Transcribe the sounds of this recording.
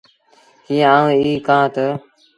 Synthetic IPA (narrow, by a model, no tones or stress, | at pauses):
ɦiːə̃aːə̃ːiːkãːt̪ə